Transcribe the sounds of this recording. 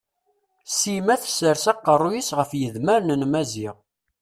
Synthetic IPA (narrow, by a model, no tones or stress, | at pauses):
simæθsəɾsæqːərˤːujisʁəfjəðməɾnənmæziʁ